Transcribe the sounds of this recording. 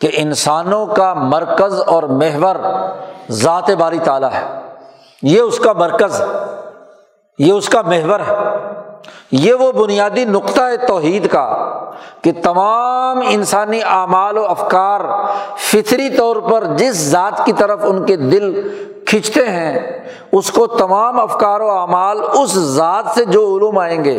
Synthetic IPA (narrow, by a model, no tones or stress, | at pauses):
keʔɪnsaːnõkamɐɾkəzɔːɾmeɦʋəɾ | zaːt̪ebaːɾit̪aːlaɦɛ̰ː | jeʊskamɐɾkəzɦɛ | jeʊskameɦʋəɾɦɛː | jeʋobʊnijaːd̪inʊqt̪aɦet̪ɔːɦiːd̪ka̰ | ket̪ɐmaːmɪnsaːniʔaːmaːloːɐfkaːɾfɪt̪ʰɾit̪ɔːɾpɐɾd͡ʒɪszaːt̪kit̪ɐɾəfʊnked̪ɪl | kʰɪ̃t͡ʃʰt̪eɦɛ̃ | ʊskot̪ɐmaːmɐfkaːɾoaːmaːlʊszaːt̪sed͡ʒoːʊluːmaːẽːŋɡḛː